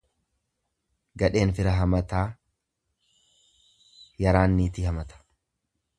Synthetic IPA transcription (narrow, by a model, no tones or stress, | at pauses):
ɡɐᶑe̞ːnfɪɾɐɦɐmɐt̪aː | jɐɾaːnːiːt̪ɪhɐmɐt̪ɐ̥